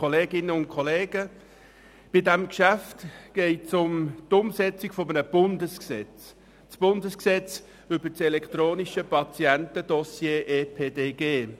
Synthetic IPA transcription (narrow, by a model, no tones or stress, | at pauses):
koleːɡɪnəʊnt̚kʰɔleːɡ̥ə | b̥ɪdæmkʃæftɡ̥ɛɪtsʊmt̪ʊmsɛt͡siɡ̥fɔmənəb̥ʊndəsksɛt͡s | sb̥ʊndəsksɛt͡s | ʏbət͡sɛlɛkt̪ɾoːniʃəpɑt͡siæntəd̥̪ɔsjeːʔepʰeːdeːɡ̥eː